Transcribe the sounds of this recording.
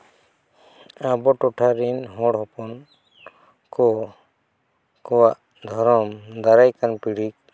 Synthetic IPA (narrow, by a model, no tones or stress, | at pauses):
abɔʈɔʈʰaɾinɦɔ̃ɽɦɔpɔn | kɔ | kɔwaʔ | d̪ʱɔɾɔmd̪aɾajkanpiɽik̚